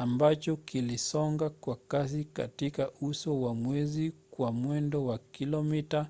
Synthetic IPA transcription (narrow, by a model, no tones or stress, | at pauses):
ambat͡ʃɔkilisɔŋɡakwakas̬ika̰tikaʔusɔwamwɛzikwamwɛndɔwakilɔmita